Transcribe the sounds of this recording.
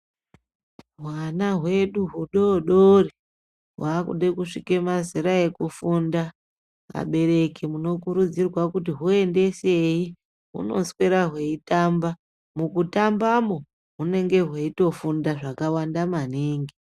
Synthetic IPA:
ɦwanaɦwe̞ɗuɦuɗoɗori | ɦwaːkṵɗekuʂike̞maziɾae̞kufunda | a̰ɓe̞ɾe̞kimuno̞kuɾud͡zirwakutiɦue̞nde̞se̞ji | ɦṵno̞̰sweɾaɦwe̞itamba | mukutambamo | ɦune̞ŋɡe̞ɦweito̞fundaʐakawandamaneːŋɡi

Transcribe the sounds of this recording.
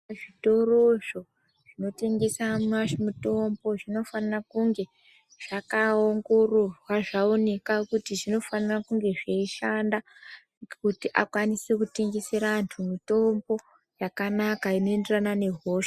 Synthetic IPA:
ʐito̞roʐo̞ | ʐ̥ino̞te̞ŋɡe̞samnaʐemito̞mbo̞ʐino̞fanarakuŋɡe̞ | ʐ̥akaoŋɡo̞ro̞rwaʐaone̞kakutiʐino̞fanarakuŋɡe̞ʐeiʃanda | kutiʔakwanisekute̞ŋɡe̞se̞ɾantʰumito̞mbo̞ | jakanakaino̞enderanane̞ɦoːʃa

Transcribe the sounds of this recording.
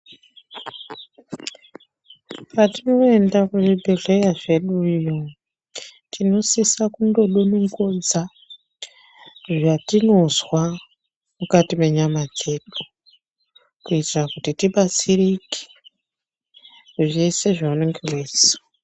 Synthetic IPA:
patino̞e̞ndakuʐibʱeɮejaʐe̞ɗuijo | tʰino̞sisakundo̞ɗoneŋɡod͡za | ʐatino̞zwa | mukatime̞ɲamad͡ze̞ɗu | kuitirakutitiɓat͡sirike̥ | ʐise̞ʐauneŋɡeweːsa

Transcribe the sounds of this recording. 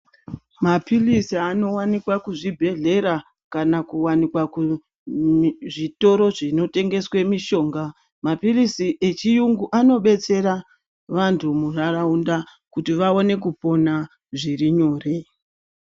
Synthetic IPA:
mapilisiano̞wanikwakuʐibʱe̞ɮe̞ɾa | kanakuwanikwaku | ʐito̞ɾo̞ʐino̞te̞ŋɡe̞swe̞miʃo̞ːŋɡa | mapilisiʔe̞t͡ʃijuŋɡuʔano̞ɓe̞t͡se̞ɾa | ʋantʰumuraraundakutiʋao̞ne̞k̬upo̞na | ʐiriɲo̞ːre̞

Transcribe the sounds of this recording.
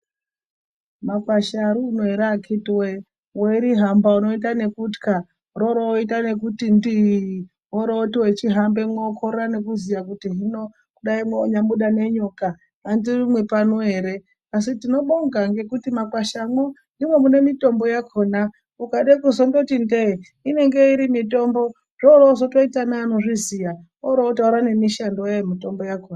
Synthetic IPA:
makwaʃaɾuːnoeɾakʰitwe | weɾiɦambauno̞it̬ane̞kutka | roɾoitane̞k̬utindi | ɦoɾoːtiwet͡ʃiɦambemwokʰoɾane̞kuzijakutiɦino | kuɗaimweoɲamuɗane̞ɲoka | andirimwe̞panoɦe̞ːɾe̞ | asitino̞ɓoŋɡaŋɡe̞kutimakwaʃamwondimwe̞mune̞mito̞mbojakʰo̞ːna | ukaɗekuzondotinde | ine̞ŋɡe̞iɾimito̞mbo̞ | ʐ̥oɾozotoitanaːno̞ʐizija | oɾotooɾane̞miʃandojaemito̞mbojakoːna

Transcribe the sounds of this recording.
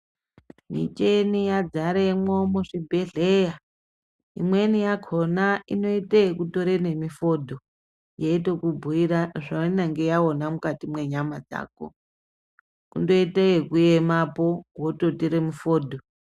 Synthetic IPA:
mḭt͡ʃenijad͡zaɾemomuʂibʱeɮeja | ḭmwe̞nijakʰonaino̞iteekutoɾene̞mifo̞dʱo̞ | jeitokubʱuiɾaʐainaŋɡe̞jaonamukatimwe̞ɲamad͡za̰ːko̰ | kundo̞iteekujemapowototiɾemufoːdʱo

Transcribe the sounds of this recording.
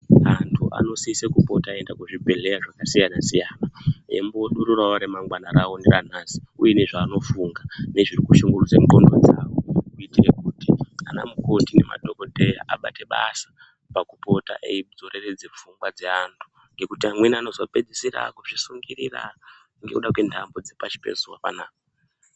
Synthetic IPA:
antʰuʔa̰no̞siisekupo̞̰taːe̞ndakuʐibʱe̞le̞jaʐakasijanasijaːnae̞̰mboɗuɾuraʋaɾemaŋɡwanaɾaondeɾanaːsi̥ujene̞ʐaːno̞fuŋɡane̞ʐirikuʃuŋɡurud͡zemukondʱod͡za̰wokuitirekutiana̰muko̞tine̞̰ma̰ɗʱoko̞te̞ja̰ʔa̰ɓa̰te̞ɓasḁ | pakupo̞ta̰ʔḛid͡zo̞re̞re̞d͡zep͡fuŋɡwad͡ze̞antʰu̥ | ŋɡe̞kutiamwe̞nano̞zope̞d͡zisira̰kuʐisuŋɡiɾira̰kuŋɡe̞̰uɗakwe̞ndambod͡zepat͡ʃi̥pḛzuwapa̰naːko

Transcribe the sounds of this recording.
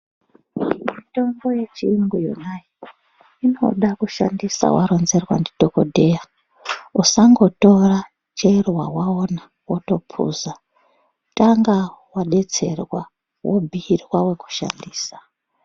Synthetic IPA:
mito̞ŋɡo̞je̞t͡ʃiiŋɡujṵnaji | ino̞̰ɗakuʃa̰ndisa̰wa̰ɾo̞nze̞rwa̰ndidʱoko̞dʱe̞ja | usaŋɡo̞to̞ra | t͡ʃerwawaona | woto̞pʰṵːza | taŋɡawaɗe̞t͡se̞̰rwa | wobʱiːrwawe̞ku̥ʃa̰ndiːsḁ

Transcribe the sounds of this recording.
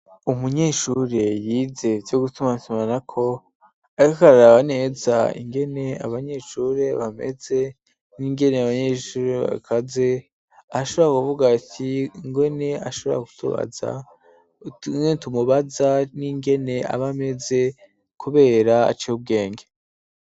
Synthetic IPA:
umuɲe̞ːʃuɾe̞jiːze̞vjo̞ɡutumatumanakʰo̞ | aɾikakaɾaɾaβane̞za̰ḭŋɡe̞ne̞a̰βaɲe̞ʃuːɾe̞βame̞̰ze̞ | niŋɡe̞neaβaɲeːʃuːɾea̰kʰaze̞ | aʃoβoakuvuɡatʰiŋɡwe̞ne̞aʃo̞β̞ɾa̰ku̥tuβa̰za̰ | nentumuβazaniŋɡe̞ne̞a̰βame̞ze̞ | kuβe̞ːɾaa̰t͡ʃeub̚ɡe̞ːŋɡe

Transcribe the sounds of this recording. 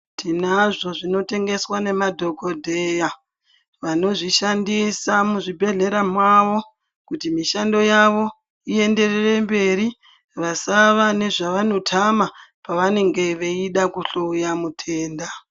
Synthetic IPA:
tʰinaʐo̞ʐino̞te̞ŋɡe̞swane̞madʱo̞ɡo̞dʱe̞ja | ʋano̞ʐiʃandisamuʐibʱe̞ɮe̞ɾamwaʋo̞ | kutimiʃando̞jaʋo̞ | ie̞nde̞rerembe̞ɾi | ʋasaʋane̞ʐaʋano̞tʰamapaʋane̞ŋɡe̞ʋeiɗakuɬoujamutʰe̞ːnda

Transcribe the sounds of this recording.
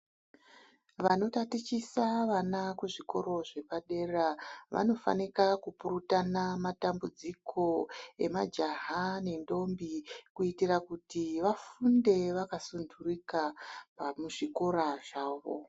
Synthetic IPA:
ʋano̞tatit͡ʃisaʋanakuʐiko̞̰ɾo̞ʐe̞paɗe̞raʋa̰no̞fa̰nikakupurutanamatambud͡zikʰo̞e̞̰mad͡ʒaɦane̞ndo̞mbikuitirakutiʋafunde̞ʋakasundurikapamuʐiko̞ɾaʐaːʋo̰

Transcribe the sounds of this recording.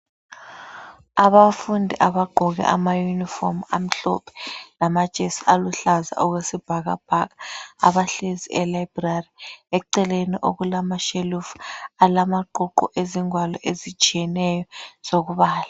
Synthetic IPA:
aβafundʱiʔaβaɡ͡ǃʱɔɣɛ̰ʔa̰majunifɔmam̩ɬɔ̰pʰɛ̥lamḁt͡ʃʼesialuɬaza̰ʔɔɣwesib̥ʱaɣa̰b̥ʱaka̰βaɬeziɛlajbrariɛǀɛleniʔoɣulamaʃelufalamaǃɔǃɔ̰ʔeziŋwalɔʔezit͡ʃʼijɛnɛjɔz̥oɣuβaːla

